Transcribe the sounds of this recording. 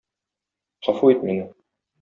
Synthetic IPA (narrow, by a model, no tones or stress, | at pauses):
χɒfuit̪minɘ